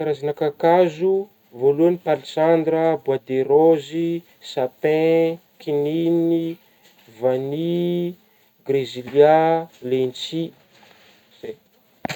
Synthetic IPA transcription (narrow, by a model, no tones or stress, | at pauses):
aɾazinakakazu | voluanipalisand̪rəbwad̪eɾozi | sapɛ̃ | kʰinini | vani | ɡreziljalent͡si | z̥e